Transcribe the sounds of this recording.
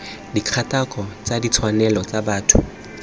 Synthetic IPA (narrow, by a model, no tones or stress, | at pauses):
dikʰatakʼɔt͡sadit͡sʰwanɛlɔt͡sabaːtʰʊ